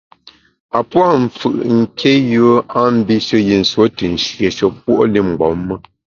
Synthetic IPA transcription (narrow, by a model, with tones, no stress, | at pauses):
a˨pwa˦˨m̩˨fɯ̰˨ʔŋ̩˨kʰe˦jə˦a˦m̩˦bi˦ʃə˦ji˨n̩˨swo˨˦tə˨n̩˨ʃje˨ʃə˦p̚wo˦ʔli˦˨ŋ͡m̩˨ɡ͡bɔ˨˦mːə˦